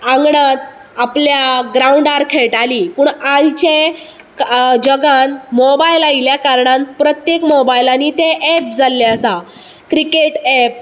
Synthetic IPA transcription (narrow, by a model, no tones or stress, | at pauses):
ãŋɡɳat̪̚ | apljaɡɾauɳɖaɾkʰeɭʈaliːpuːɳajt͡ɕe | kd͡ʑəɡanmobajlailjakaɾɳanpɾət̪jekmɔbajlanit̪eʔːp̚d͡zalːeasa | kɾikeʈɛp̚